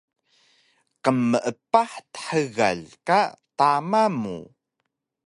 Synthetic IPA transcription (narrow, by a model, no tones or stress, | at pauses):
qəmːəʔəpaħt̪ə̥ħəɣa̰ʎkat̪amamṵ